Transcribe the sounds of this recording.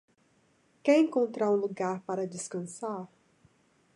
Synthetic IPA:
kɛɾẽŋkõnt̪ɾaɾũluɡaɾpaɾɐd͡ʒɪskɐ̃saɾ

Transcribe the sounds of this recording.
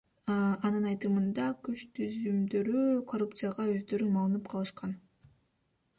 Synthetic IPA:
ɑnɯnɑjt̪ɯmɯnd̪ɑkyt͡ʃt̪ʰyzymd̪ø̞ɾykʰo̞rup̚t̪sɨjaʁɑø̞zd̪ø̞ɾymɑlˠɯnɯp̚qʰɑlˠɯʃqɑn

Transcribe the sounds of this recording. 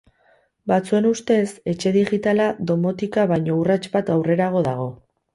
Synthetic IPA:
bat͡sue̞nust̪e̞se̞t͡ʃe̞ðiɣit̪alaðo̞mo̞t̪ikaβajɲo̞urat͡ʃbat̪awre̞ɾaɣ̞o̞ðaɣ̞o̞

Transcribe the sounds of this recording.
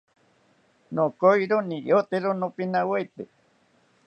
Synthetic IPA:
nokojɾonĩjot̪eɾonõpinãwejt̪e

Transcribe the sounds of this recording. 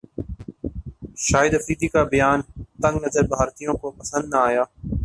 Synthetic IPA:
ʃaːɪd̪əfɾiːd̪iːkaːbəjaːnt̪ə̃ŋɡnəzəɾbʱaːɾt̪ijõːkopəsə̃nd̪naaːjaː

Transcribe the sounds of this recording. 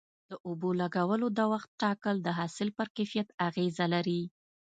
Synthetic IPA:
d̪̥əʔʊbolaɡawəlod̪awaxt̪̚ʈɑkəld̪əɦɑsɪlpəɾkajfijat̪aɣezalaɾi

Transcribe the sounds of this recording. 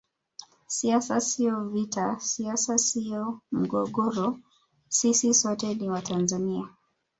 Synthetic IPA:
siasasiɔvitasiasasiɔm̩ɡɔɠɔɾɔ | sisisɔtɛniwatʰanzania

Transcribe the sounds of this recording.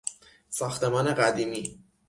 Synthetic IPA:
sɒːxt̪e̞mɒːne̞ɢæd̪iːmiː

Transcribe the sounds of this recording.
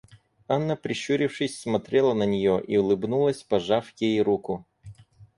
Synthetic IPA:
anːəpɾʲɪɕuɾʲɪfʂɨsʲsmɐt̪ɾʲelˠənənʲɪjoʔiʊlˠɨbnulˠəsʲpɐʐafjejɾukʊ

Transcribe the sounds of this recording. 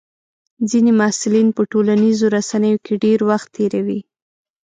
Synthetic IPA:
d͡zinemɑsɪlinpəʈolanizoɾasanəjokʰeɖeɾwaxt̪ʰːeɾawi

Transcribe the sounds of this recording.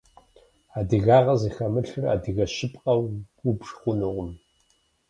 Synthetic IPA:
aːdɨɣaːʁɐzixɐmɨɬɨra̰ːdɨɣɐʃɪpʼqʼɐwubʐχʷʊnɨʁʷʊm

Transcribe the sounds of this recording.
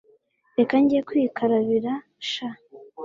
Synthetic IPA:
ɾekaɲɟijekwiːkʰaɾaβiɾa | ʃa

